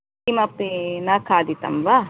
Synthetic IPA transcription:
imɐpːinakʰaːd̪it̪ɐ̰mʋa

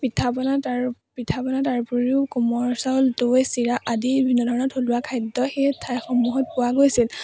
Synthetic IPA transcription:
b̥itʰapɔnataɹ | pitʰapɔnataɹpuɹiʊkɔmɔɹsaltojsiɹaʔadibibʱinːɔdʱɔɹɔnɔtʰoluwakʰajdːɔxetʰajxɔmuɦɔt̚pʊwaɡojsil

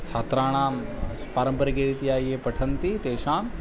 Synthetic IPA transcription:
t͡ʃʰaːt̪ɾaːɽ̃ãː | paːɾə̃mbəɾɡeːɾit̪ijaːiɦepɐʈʰənt̪it̪eːʃãːn

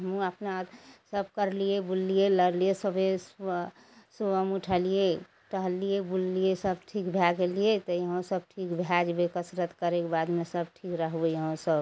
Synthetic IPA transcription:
ɦəmũəpnasəb̚kəɾlijebulːijeləɾliesəbʱes | subəmuʈʰəlije | ʈəɦəlijebullijesəbʈʰikbʱjaɡelijet̪ɔjəɦõsəb̚ʈʰikbʱjad͡ʒbekəsɾət̪kəɾekebad̪mesəb̚ʈʰikɾəɦejəɦõsəb

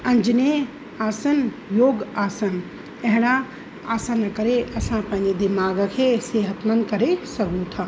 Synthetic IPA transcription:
ɐ̃ɲd͡ʒne | aːsən | joːɡaːsən | ɐɦɪɽa | aːsãnɐkəɾeʔɐsãpɐ̃ɦɪ̃ed̪imaːɡkʰeseːɦət̪mənkɐɾesəɡũt̪ʰaː

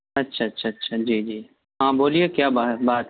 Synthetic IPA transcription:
ɐtːʃʰaɐtːʃʰaɐtːʃʰad͡ʒiːd͡ʒiː | ɦãːboːliekjaːbabaːt̪

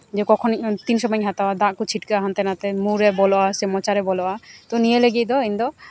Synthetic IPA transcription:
d͡ʒɛkɔkʰɔnt̪insɔbaɲɦat̪awad̪aʔkut͡ʃʰiʈkaʔaɦant̪ɛnat̪ɛmuɾɛbɔlɔʔasɛmɔt͡ʃaɾɛbɔlɔʔat̪ɔnijeleɡic̚ˀd̪ɔind̪ɔ

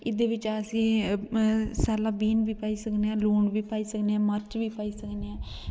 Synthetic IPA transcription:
ɪd̪eːʋɪt͡ʃaːsi | saːlãːbiːnbiːpaːiːsəkneːãːluːɳɖbiːpaːiːsəkneːãːməɾt͡ʃʋiːpaːiːsəkneːãː

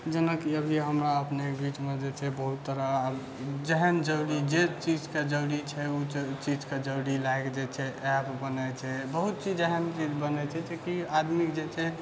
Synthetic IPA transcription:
d͡ʒənəkiəbʱiɦəmɾaəpnebit͡ʃmed͡ʒet͡ʃʰɛbəɦut̪ːəɾa | d͡ʒɛɦənd͡ʒəɽid͡ʒet͡ʃid͡ʒked͡ʒəɾit͡ʃʰɛut͡ʃid͡ʒked͡ʒəɾilaekd͡ʒet͡ʃʰɛɛpbənɛt͡ʃʰɛbəɦut̪̚t͡ʃid͡ʒeɦənt͡ʃid͡ʒbənɛt͡ʃʰɛd͡ʒekiad̪mikd͡ʒet͡ʃʰɛ

